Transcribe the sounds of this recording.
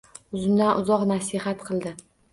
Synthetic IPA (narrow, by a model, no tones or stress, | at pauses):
ʊzɪmd̪anʔʊzɒqnasɪhat̪qʰɨlˠd̪ɪ